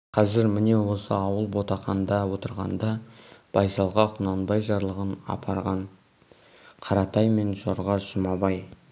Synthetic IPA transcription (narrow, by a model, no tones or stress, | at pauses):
qʰɑzɪɾmɪne̞wo̞sə̰ɑwəlˠbo̞t̪ɑχɑnd̪ɑwo̞t̪əɾʁɑ̰nd̪ɑb̥ɑjsɑlˠʁɑqʰʊnɑnbɑjʒɑɾlˠəʁənɑ̰pʰɑɾʁɑɴ | qʰɑɾɑt̪ɑjme̞nʒo̞ɾʁɑʒəmɑbɑj